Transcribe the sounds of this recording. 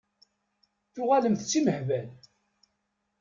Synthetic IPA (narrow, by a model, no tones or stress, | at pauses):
θʊʁaləmθt͡sːiməħvæl